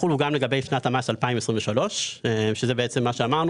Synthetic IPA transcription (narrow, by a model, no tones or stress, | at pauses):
uluɡamle̞ɡabejfnatamasalpaimesʁiɱveʃalo̞ʃeʃezebeet͡se̞mːaʃeamaʁnu